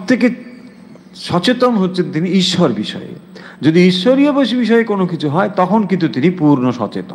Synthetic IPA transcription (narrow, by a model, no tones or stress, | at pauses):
p̚t̪ʰeke | ʃɔt͡ɕet̪onɦotːɕʰent̪iniiʃːɔɾbiʃɔ̰ḛ | d͡ʑod̪iiʃːoɾijaboʃibiʃɔekonokit͡ɕʰuɦɔet̪ɔkʰonkint̪ut̪inipuɾnoʃɔ̰t͡ɕḛt̪o̰